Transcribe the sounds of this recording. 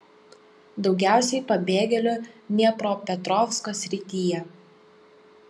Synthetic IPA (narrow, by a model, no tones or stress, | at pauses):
d̪ɒʊɡʲæˑʊsʲɛɪpɐbʲeːɡʲɛlʲoːnʲɛpɾoːpʲɛt̪ɾɔfskoːsʲɾʲɪt̪ʲijɛ